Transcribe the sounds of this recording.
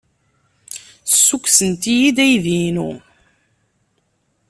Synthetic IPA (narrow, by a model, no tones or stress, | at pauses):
sːukʷsənt̪ijid̪æjðinṵ